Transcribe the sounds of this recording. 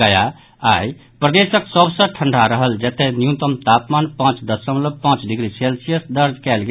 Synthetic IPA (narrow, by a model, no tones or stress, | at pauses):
əja | aj | pɾəd̪esəksəbʱsə̃ʈʰəɳɖʱaɾəɦəld͡ʒət̪enjũt̪əmt̪apmanpãt͡ʃd̪əsəmləpãt͡ʃɖiɡɾiselsijəsd̪əɾd͡ʒkɛlɡ